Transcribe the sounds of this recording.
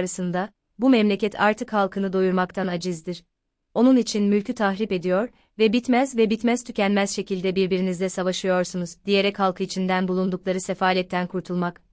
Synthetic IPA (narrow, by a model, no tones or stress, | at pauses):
ɾasɯnd̪a | bumɛmlʲecɛt̪ʰa̰ɾt̪ʰɯkhalˠkʰɯnɯd̪o̞juɾmakt̪ʰanad͡ʒɯzd̪iɾ̥ | o̞nunit͡ʃʰinmylʲcʰyt̪ʰaxɾipe̞d̪ijo̞ɾ | vɛbit̪mɛzvɛbit̪mɛz̥t̪ʰycɛnmɛz̥ʃe̞cʰilʲd̪ɛbiɾbiɾinizd̪ɛsavaʃɯjo̞ɾsunuzd̪ije̞ɾɛchalˠkʰɯit͡ʃʰind̪ænbulˠund̪uklˠaɾɯsefaːlʲɛt̪ʰːænkʰuɾt̪ʰulˠmak